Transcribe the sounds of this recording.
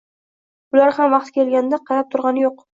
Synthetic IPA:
ʊlaɾhamvɑqt̪kʲe̞lɡʲand̪aqʰɑjap̚t̪ʰʊɾʁɑnɪjoq

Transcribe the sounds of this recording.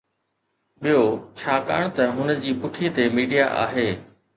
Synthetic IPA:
ɓijot͡ɕʰaːka̰ːɽ̃t̪ɐɦʊnə̆d͡ʑiːpʊʈʰit̪emiːɖija̰ʔa̰ːɦeː

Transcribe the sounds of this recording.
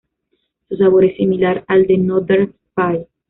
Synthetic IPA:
susaβoɾesimilaɾald̪enodeɾ | paj

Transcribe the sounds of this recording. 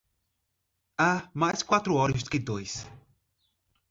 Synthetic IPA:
amajskwat̪ɾʊɔɾɐskɪd̪ojs

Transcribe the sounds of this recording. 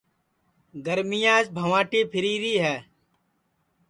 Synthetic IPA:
ɡəɾmɪjãːsbʱəʋãːʈiːpʰɪɾiːɾiːɦɛː

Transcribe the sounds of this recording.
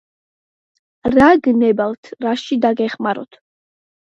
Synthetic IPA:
ɾaɡnɛbalt̪ʰɾaʃid̪aɡɛχmaɾɔ̰t̪ʰ

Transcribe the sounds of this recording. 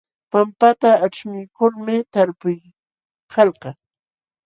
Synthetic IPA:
pampat̪aaʈ͡ʂmɪjkʊlmɪt̪aɾpʊj | hɑlqɑ

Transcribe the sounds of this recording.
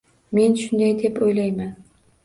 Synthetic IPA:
me̞nʃʊnd̪ajd̪epojlajman

